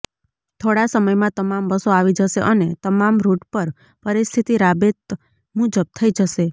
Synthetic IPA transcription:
t̪ʰoɽasəməjmãt̪əmambəsoaʋid͡ʒəʃeʔənet̪əmamɾuʈpəɾ | pəɾist̪ʰit̪iɾabet̪ | mud͡ʒəb̚t̪ʰəid͡ʒəʃe

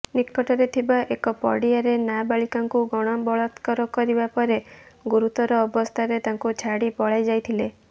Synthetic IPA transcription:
nikːɔʈɔɾet̪ʰibaʔekɔpɔ̰ɽiaɾenabaɭikaŋkuɡɔɽ̃ɔbɔɭɔt̪kɔɾɔkɔɾibapɔɾeɡuɾut̪ɔɾɔːbɔst̪ʰaɾet̪aŋkut͡ʃʰaɽipɔɭajd͡ʒajt̪ʰile

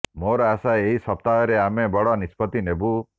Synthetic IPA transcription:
moɾɔasaeɦisɔp̚t̪aɦɔɾeamebɔɽɔnispɔt̪inebu

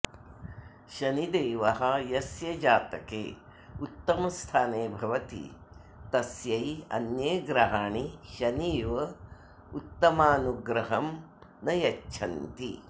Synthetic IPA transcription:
ʃɐnid̪eːʋɐɦɐjɐsjɐd͡ʒaːt̪ɐkḛː | ut̪ːɐmɐst̪ʰaːneːbʱɐʋɐt̪ḭ | t̪ɐsjɐjɐ̰njeːɡɾɐɦaːɳiʃɐniːʋɐ | ut̪ːɐmaːnuɡɾɐɦɐm | nɐjɐt͡ʃːʃʰɐnt̪i

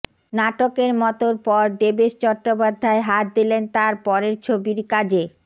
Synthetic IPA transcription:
naʈokeɾmɔt̪oɾpɔɾɖebeʃt͡ɕɔʈːopad̪ʱːaeɦat̪̚d̪ilent̪aɾpɔɾeɾt͡ɕʰobiɾkad͡ʑe

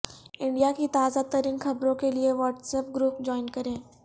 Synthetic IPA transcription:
ɪ̃ɳɖijakit̪aːzat̪ɐɾiːnxɐbɾõkelieʋɔːʈsəp̚ɡɾuːpd͡ʑɔːɪnkɐɾẽː

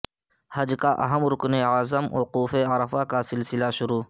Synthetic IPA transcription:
hɐd͡ʒkaʔɐ̰ɦəmɾʊkneaːzəmoquːfeɐɾəfakasɪlsɪlaʃʊɾuː

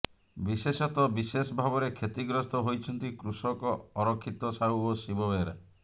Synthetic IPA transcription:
bisesɔt̪ɔbisesɔbʱabɔɾekʰet̪iɡɾɔst̪ɔɦojt͡ʃʰɔnt̪ikɾusɔkɔɔɾɔkʰːit̪ɔsauosibɔbeɾa

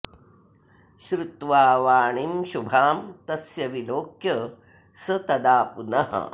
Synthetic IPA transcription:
ʃɾut̪ʋaːʋaːɳimʃubʱaːmt̪ɐsjɐʋiloːkjɐ | sɐt̪ɐd̪aːpunɐɦɐ̰

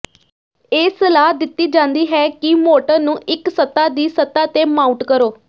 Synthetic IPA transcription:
eːsəlaːɦd̪ɪt̪ːiːd͡ʒãːnd̪iːɦɛːkɪmoːʈəɾnũːʔɪksət̪ːaːd̪iːsət̪aːt̪eːmaːũʈkəɾoː

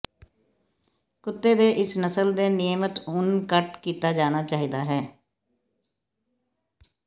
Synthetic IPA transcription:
kʊt̪ːeːd̪eːʔɪsnəsəld̪eːnɪjəmət̪ʊnkəʈkiːt̪aːd͡ʒaːnaːt͡ʃaːɦiːd̪aːɦɛː

